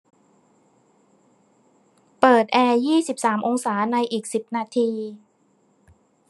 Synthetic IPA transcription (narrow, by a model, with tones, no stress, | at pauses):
pɤː˨˩t̪̚ʔɛː˧jiː˥˩si˨˩p̚saː˩˦mʔo˧ŋsaː˩˦na˧jʔiː˨˩k̚si˨˩p̚naː˧t̪ʰiː˧